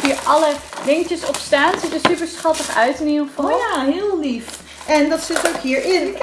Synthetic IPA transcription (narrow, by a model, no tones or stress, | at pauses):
iːəɹʔɑləʋɪŋtəsɔpstaːnsitəɹsypəɹsχɑtəχœ̰ɥtɪniːχəfɑjaɦɪəlˠlif | ʔɛndɑtsɪtowkɦiːɹɪn